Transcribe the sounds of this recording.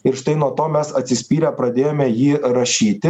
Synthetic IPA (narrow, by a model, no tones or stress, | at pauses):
ɪɾʃt̪ɐɪnuɔt̪oːmʲɛsɐt̪ʲsʲɪsʲpʲiːɾʲɛpɾɐd̪ʲeːjoːmʲɛjiːɾɐʃʲiːt̪ʲɪ